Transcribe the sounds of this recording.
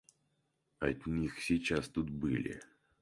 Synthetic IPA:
ɐt̪ʲnʲixsʲɪt͡ɕast̪ut̪̚bɨ̰lʲɪ̰

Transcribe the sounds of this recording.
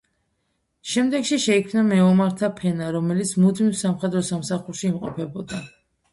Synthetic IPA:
ʃɛmd̪ɛɡʃiʃɛikʰmnamɛɔmaɾt̪ʰapʰɛnaɾɔmɛlit̪sʰmud̪mifsamχɛd̪ɾɔsamsaχuɾʃiːmqʼɔ̰pʰɛbɔd̪a

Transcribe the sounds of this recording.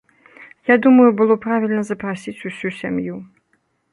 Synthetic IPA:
jad̪umɐjubɨlˠɔpɾavʲilʲnɐzɐpɾasʲit͡sʲusʲusʲamju

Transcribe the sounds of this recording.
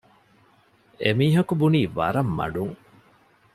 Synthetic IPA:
emiːɦɐkubuniːʋɐ̰ɾɐmːɐ̰ɖuŋ

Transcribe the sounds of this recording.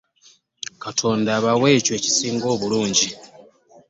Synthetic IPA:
katʰo̞ːndaːβawe̞ːcwe̞ːci̥siːŋɡo̞ːβuluːɲɟi

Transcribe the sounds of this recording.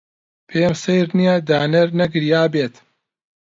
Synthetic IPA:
pʰeːmsejɾnijad̪aːnɐɾnɐɡɨɾjaːbeːt̪

